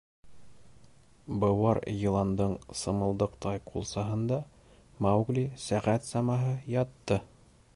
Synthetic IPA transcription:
bɤ̆wɑɾjɤ̆lˠɑnd̪ɤɴsɤ̆mɤ̆lˠd̪ɤqt̪ɑjqʰulˠsɑɦɤ̆nd̪ɑ | mɑwɡlisæʁæt̪sɑmɑɦɤjɑt̪ːɤ

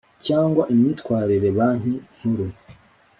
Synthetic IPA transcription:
caːŋɡwaʔimɲiːt̪kwaːɾiɾe̞βaːɲ̥in̥huɾu

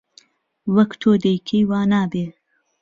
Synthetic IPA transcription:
wɐkt̪ʰoːd̪ɐjkʰejwaːnaːbeː

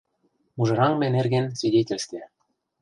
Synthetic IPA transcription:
muʒɤ̆ɾɑŋmĕnĕrɣɘ̆nsvʲidʲetʲĕlʲst̪ʲĕ

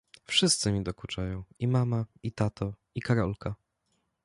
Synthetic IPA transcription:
fʂɘst̪sɘmʲid̪ɔkut͡ʂajɔ̃w̃imamait̪at̪ɔ | ikaɾɔlka

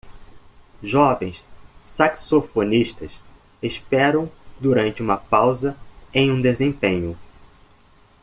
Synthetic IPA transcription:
ʒɔvẽj̃ssaksofoniʃt̪ɐs | espɛɾɐ̃w̃d̪uɾɐ̃nt͡ʃɪũmɐpawzɐẽj̃ũd̪ezẽpẽɲʊ

